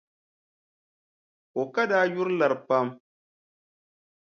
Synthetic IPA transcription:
o˨kɐ˦daː˨˦jʊ˦ɾlɐ˨ɾpɐ˦m

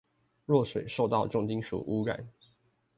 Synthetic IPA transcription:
ɻwɔ˥˨ʂwe˨˩ɪʂo˥˧ʊt̪ɑ˥˧ʊʈ͡ʂʊ˥˨˩ŋt͡ɕi˥ŋʂṵ˨˩ʔu˦ka̰˨˩˦n

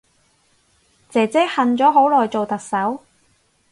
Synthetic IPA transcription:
t͡sɛː˨t͡sɛː˥hɐ˨nt͡sɔː˨˥ɦo˨˥wlɔː˨jt͡so˨wt̪ɐ˨k̚sɐ˨˥w

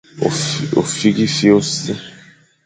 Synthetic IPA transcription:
o̰˨fi˦ɡi˦fi˦o˦se˦

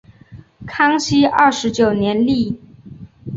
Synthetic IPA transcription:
kʰɑ˥ŋɕi˥ə˥˩ʂɻ̩˧˥t͡ɕjo˨˩ʊnjɛ˧˥nli˥˩

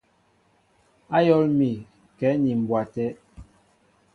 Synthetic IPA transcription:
a˦jɔ˦lmi˨ | kɛ˨˦ni˨m̩˨bwa˨tɛ˦

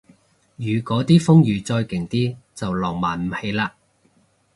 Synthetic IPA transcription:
jyː˨˧kɔː˨˥t̪iː˥fʊ˥ŋjyː˨˧t͡sɔː˧jkɪ˨˩ŋt̪iː˥t͡sɐ˨wlɔː˨˩ŋmaː˨˩nm̩˨he˨˥jlaː˧

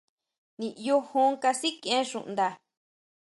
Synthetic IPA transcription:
nĩ˨ʔi˧jo˧hõ˦ŋka˧si˦kẽ˦ʃṵ̃˨ʔnd̪a˧

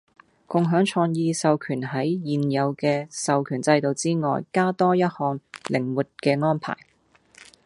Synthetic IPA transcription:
kʊ˨ŋɦœː˨˥ŋt͡ʃʰɔː˧ŋjiː˧sɐ˨wkʰyː˨˩nɦɐ˨˥jjiː˨njɐ˨˧wkɛː˧sɐ˨wkʰyː˨˩nt͡sɐ˧jt̪o˨˧wt͡siː˥ŋɔ̰ː˨jkaː˥t̪ɔː˥jɐ˥t̚hɔː˨˧ŋlɪ˨˩ŋwuː˨t̚kɛː˧ŋɔː˥npʰa̰ː˨˩j

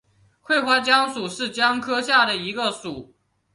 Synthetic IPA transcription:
xwe˥˧ɪxwa˥t͡ɕjɑ˥ŋʂu˨˩ʂɻ̩˥˩t͡ɕjɑ˥ŋkʰɤ˥ɕja˥˩d̪ə˩i˧˥ɡə˧ʂu˨˩˦

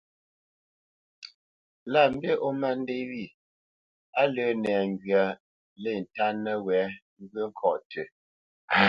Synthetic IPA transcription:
la˦˨m̩˦bje˦ʔo˦ma˦˨n˦de˦wi˦˨ | a˦lə˨˦nɛ˨ŋ˨ɡja˨ | le˦˨n̩˨ta˦nə˦wɛ˨˦ | ŋ̩˦ɡə˦ŋ̩˦kʰɔ˨tʰe˨

